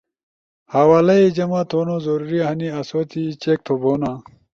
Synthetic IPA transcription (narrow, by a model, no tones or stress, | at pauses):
hawaːlɐid͡ʑɐmat̪ʰoːnozɐɾuɾiɐɦɐniɐsot̪ʰit͡ɕek̚t̪ʰoboːna